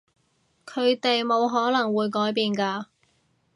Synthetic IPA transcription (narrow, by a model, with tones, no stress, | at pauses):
kʰɵ˨˧ɥt̪e˨jmo˨˧wɦɔː˨˥nɐ˨˩ŋwuː˨˧jkɔː˨˥jpiː˧nkaː˧